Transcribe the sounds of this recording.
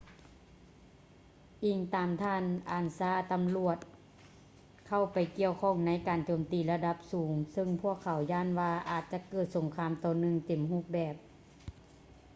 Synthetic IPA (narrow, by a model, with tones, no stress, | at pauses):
ʔiː˨˩ŋt̪aː˨mt̪ʰaː˧˥˨nʔaː˨˩nsaː˧˥˩t̪a˨mlu˧˩ət̪̚ | kʰa˧˩wpa˨˩jki˧˨əwkʰɔː˧˥˩ŋna˧˥jkaː˨nt͡ɕoː˨˩mt̪iː˨˩la˧da˧p̚suː˨˩˦ŋsɯ˧ŋpʰu˧˥˩əkʰːa˨˩˦wjaː˧˥˨nʋaː˧ʔaː˨˩t̪̚t͡ɕa˧˦kɤː˧˩t̪̚so˨˦ŋkʰaː˧˥˨mt̪ɔː˨˩nɯ˧ŋt̪e˨˩mhuː˧˥˩k̚bɛː˨˩p̚